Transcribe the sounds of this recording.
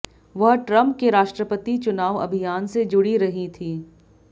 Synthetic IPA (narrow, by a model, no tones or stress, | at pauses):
ʋɐɦʈɾɐ̃mpkeɾaːʃʈɾəpət̪it͡ʃʊnaːʋɐ̰bʱijaːnsed͡ʒʊɽiɾɐɦit̪ʰiː